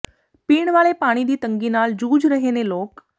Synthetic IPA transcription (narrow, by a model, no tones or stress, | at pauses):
piːɳʋaɭepaɽ̃id̪iːt̪əŋɡiːnaːld͡ʑuːd͡zɾəɦeneloːk